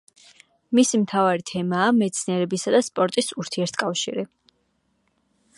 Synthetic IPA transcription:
misimt̪ʰavaɾit̪ʰɛmaːmɛt̪sʰniɛɾɛbisad̪aspʼɔɾt̪ʼisuɾt̪ʰiɛɾt̪ʰkʼafʃiɾi

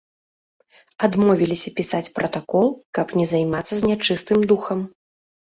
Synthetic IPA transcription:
ad̪mɔvʲilʲisʲɐpʲisat͡sʲpɾɐt̪akɔlˠkɐpnʲɛzajmat̪sːɐzʲnʲat͡ʂɨst̪ɨmd̪uxɐm

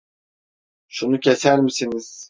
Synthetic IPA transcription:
ʃunucʰesæɾmisiniz̥

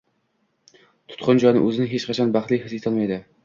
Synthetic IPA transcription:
t̪ʰʊ̥t̪qʰʊnd͡ʒɒjnɪ̰ʔɵzɪnɪɦet͡ʃqʰɑt͡ʃʰɑnbæχt̪lˠɪhɨzet̪ʰɨlˠmɑjd̪ɪ

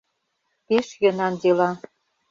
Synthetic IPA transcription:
peʃjɤ̆nɑnd̪ilɑ

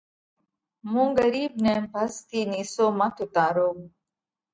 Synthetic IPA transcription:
mũɡɐɾib̚nempɐst̪ʰinisoːmat̪ut̪aːɾoɡ

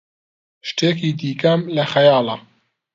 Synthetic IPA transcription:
ʃt̪eːk̬iːd̪iːkɐmlɐxɐjɑːlɐ

